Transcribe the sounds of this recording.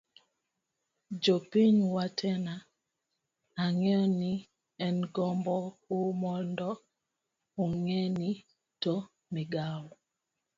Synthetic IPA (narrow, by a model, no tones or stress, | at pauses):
d͡ʒopinwatʰɛna | aŋɔni | ɛnɡɔmbɔumɔndɔ | oŋɛni | to | miɡawɔ